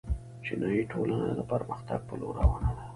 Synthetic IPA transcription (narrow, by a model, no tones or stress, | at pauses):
t͡ʃɪnɑjiʈʰolanad̪əpəɾməxt̪aɡ̚pəloɾawanad̪a